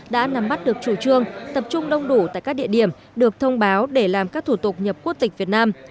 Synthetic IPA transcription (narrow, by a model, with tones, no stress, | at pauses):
ɗa̰ː˧˥na˨˦mɓa˦˥t̚ɗɨ˨˩ək̚t͡ɕu˧˩t͡ɕɨ˧əŋt̪ə˨˩p̚t͡ɕʊ˧ŋ͡mɗə˧wŋ͡mɗu˧˩t̪a̰ː˧˨kaː˦˥k̚ɗḭ˧˨əɗi˧˩əm | ɗɨ˨˩ək̚t̪ʰə˧wŋ͡mɓaː˨˦wɗe˧˩laː˨˩mkaː˦˥k̚t̪ʰu˧˩t̪ʊ˨˩k̚ɲə˨˩p̚ku˦˥ək̚t̪ï˨˩k̟̚vi˨˩ət̚naː˧m